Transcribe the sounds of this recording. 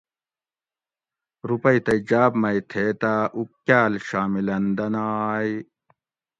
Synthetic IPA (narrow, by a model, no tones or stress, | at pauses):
ɾupɐit̪ɐjd͡ʑaːbmɐjt̪ʰeːt̪aːʔukːaːlɕaːmilɐnd̪ɐnaːj